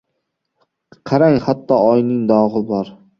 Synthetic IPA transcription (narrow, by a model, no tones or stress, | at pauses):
qʰɑɾaŋhat̪ʰːɒɒjnɪŋd̪ɒʁɨbɒɾ